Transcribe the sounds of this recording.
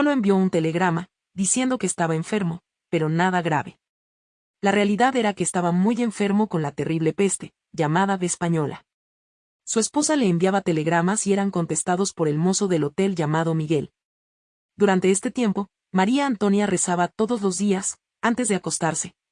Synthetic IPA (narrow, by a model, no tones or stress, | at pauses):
so̞lo̞e̞mbjo̞unt̪e̞le̞ɣɾama | ðisje̞nd̪o̞keːst̪aβaeɱfe̞ɾmo̞ | pe̞ɾo̞naðaɣɾaβe̞ | larealiðaðe̞ɾake̞ːst̪aβamuje̞ɱfe̞ɾmo̞ko̞nlat̪e̞riβle̞pe̞st̪e̞̥ | ʝamaðaðespaɲo̞la̰ | sue̞spo̞sale̞ːmbjaβat̪e̞le̞ɣɾamasie̞ɾaŋko̞nt̪e̞st̪að̞o̞spo̞ɾe̞lmo̞so̞ðe̞lo̞t̪e̞lʝamaðo̞miɣe̞l | d̪uɾant̪e̞est̪e̞t̪je̞mpo̞ | maɾiaːnt̪o̞njare̞saβat̪o̞ðo̞zlo̞zðias | ant̪e̞zðe̞ako̞st̪aɾse̞